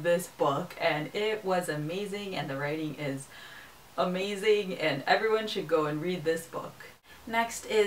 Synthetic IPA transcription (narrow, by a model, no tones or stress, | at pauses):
ðɪsb̥ʊkʰɨ̃nɪt̚wʌzɨmeɪzɪ̃ŋɨ̰̃nðɨɹaɪɾɪ̃ŋʔɪz | ʔəmeɪzɪ̃ŋɨ̃nɛvɹiwʌ̃nʃɨd̚ɡoʊɨ̃nɹid̪̚ðɪsb̥ʊ̰k | nɛkstɪ